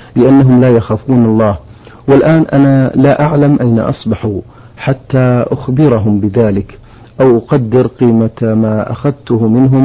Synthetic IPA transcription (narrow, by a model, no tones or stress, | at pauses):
lɪʔanːaɦʊmlaːjaxaːfuːnɑlˤːɑːh | wɪlʔaːnʔanalaʔaʕlamʔajna̰ʔɑ̰sˤbɑħu | ħat̪ːaːʔʊxbɪɾɑɦʊmbɪðaːlɪk | ʔawʔʊqɑd̪ːɪɾqiːmamaːʔa̰xaðt̪ʊhmɪnɦʊm